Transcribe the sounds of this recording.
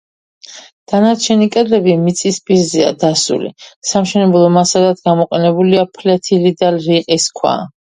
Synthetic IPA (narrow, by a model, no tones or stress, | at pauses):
d̪̥anaɾt͡ʃʰɛnikʼɛd̪lɛbimit̪sʼispʼiɾzɛa̰d̪asṵlḭsamʃɛnɛblˠɔmasad̪ad̪ɡamɔqʼɛnɛbuliapʰlɛt̪ʰilid̪alɾiqʼiskʰwa̰